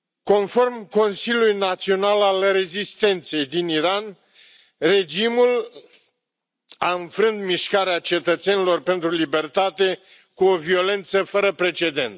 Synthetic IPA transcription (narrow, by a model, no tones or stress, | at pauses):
ko̞nfo̞rmko̞nsilʲjulujnat̪sio̞nalalre̞zist̪e̞nt̪se̞jd̪iniɾan | re̞d͡ʒimul | aɨnfɾɨnd̪miʃkaɾeat͡ʃe̞t̪ət̪se̞nilo̞rpe̞nt̪ɾulibe̞rt̪at̪e̞ | kuovio̞le̞nt̪səfəɾəpɾe̞t͡ʃe̞d̪e̞̰nt̪